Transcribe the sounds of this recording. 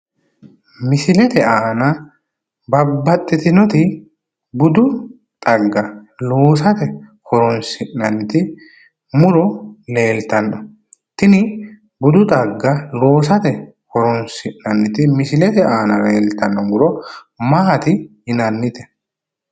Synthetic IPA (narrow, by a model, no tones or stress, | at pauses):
mɪsɪlɛt̪ɛaːnɐ | bɐbːɐt̪ʼːɪt̪ɪnɔt̪ɪ | bʊd̪ʊ | t̪ʼɐɡːɐloːsɐt̪ɛhɔɾɔnsɪnːɐnːɪt̪ɪ | mʊɾɔle̞ːlt̪ɐnːɔ | t̪ɪnɪ | bʊd̪ʊt̪ʼɐɡːɐloːs̬ɐt̪ɛ | kɔɾɔnsɪnːɐnːɪt̪ɪmɪsɪlɛt̪ɛʔaːnɐɾeːlt̪ɐnːɔmʊɾɔ | maːt̪ɪɪnɐnːɪt̪ɛ̥